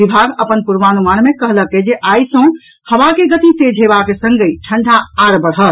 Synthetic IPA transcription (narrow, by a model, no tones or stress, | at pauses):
ibʱaɡəpənpuɾʋanumanmekəɦləkːed͡ʒeʔajsə̃ | həʋakeɡət̪ised͡ʒʱɦebakesə̃ŋɡəjʈʰəɳɖʱaːɾbəɽɦət̪